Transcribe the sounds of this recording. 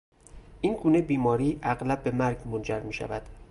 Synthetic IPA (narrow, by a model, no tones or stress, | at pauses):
ʔiːnɡuːne̞biːmɒːɾiːʔæɣlæb̚ːe̞mæɾɡmond͡ʒæɾmiːʃæ̰væd̪̥